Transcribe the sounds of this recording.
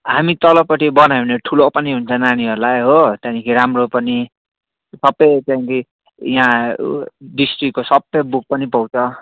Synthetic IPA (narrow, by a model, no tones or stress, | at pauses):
ɦamit̪ʌlʌpːʌʈibʌnajuneʈʰulopʌniɦunt͡sʰʌnañiɦʌɾulajɦot̪anikʰiɾamropʌni | sʌbʌjt͡saĩki | jɦã | ɖisʈrikːosʌbːʌjbuk̚pʌnipʌwt͡sʰʌ